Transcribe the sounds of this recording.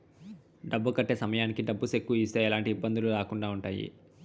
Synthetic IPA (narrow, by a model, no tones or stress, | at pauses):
ɖɐbːukɐʈːe̞ːsɐmɐjaːnikiɖɐbːusekːuiːst̪eːɛlaːɳʈiːbːɐnd̪uluɾaːkuɳɖaːuɳʈaːjḭ